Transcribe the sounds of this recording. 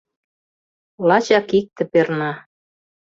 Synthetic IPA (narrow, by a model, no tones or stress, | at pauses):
lɑt͡ɕɑkik̚t̪ə̆pernɑ